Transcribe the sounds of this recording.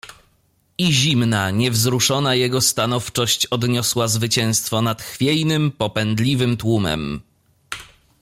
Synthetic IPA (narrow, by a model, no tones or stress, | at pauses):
iʑimnaɲɛvzɾuʂɔnajɛɡɔst̪anɔft͡ʂɔɕt͡ɕɔd̪ɲɔswazvɘt͡ɕɛ̃w̃st̪fɔnat̪xfʲjɛjnɘmpɔpɛnd̪lʲivɘmt̪wumɛ̰m